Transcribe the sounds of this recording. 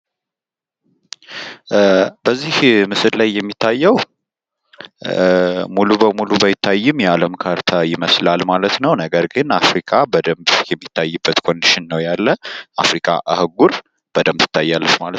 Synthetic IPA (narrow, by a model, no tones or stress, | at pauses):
bəzːihmɨsɨllajːɛmːit̪ʰːajːɛw | mulubəmulubəjɪt̪ʰːajːɪmjɛaləmkʰaɾt̪ʰajɪməslalmalət̪nəwnəɡəɾɡɨnafɾikʰabəd̪əmbjɛmːit̪ʰːajːɨbːət̪kʰo̞nd̪iʃɪnːəwjalːəʔafɾikʰa̰ʔahɨɡuɾ | b̥əd̪əmt̪ʰɨ̥t̪ʰːajːalːəfmalət̪